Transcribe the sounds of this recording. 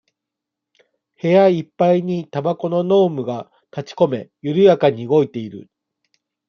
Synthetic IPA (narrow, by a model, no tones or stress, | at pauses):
he̞jaipːaiɲ̟it̪abako̞no̞no̞ːmɯ̟ɡa | k̪at͡ɕi̥ko̞me̞jɯɾɯ̟jakaɲ̟iɯɡo̞it̪e̞iɾɯ̟̰